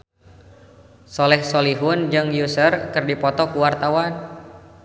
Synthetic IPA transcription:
sɔlɛhsoliɦʊnd͡ʒɨŋjusərkɨrdipɔt̪ɔkuwart̪awan

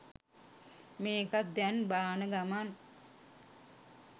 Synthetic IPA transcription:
meːkat̪̚d̪ænbaːnəɡaman

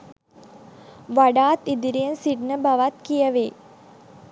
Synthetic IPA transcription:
ʋaɖaːt̪id̪iɾijənsiɖnəbaʋat̪kijəʋeː

